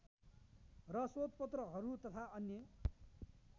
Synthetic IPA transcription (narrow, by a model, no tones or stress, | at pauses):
rʌsot̪̚pʌt̪rʌɦʌɾut̪ʌt̪ʰaʌnjʌ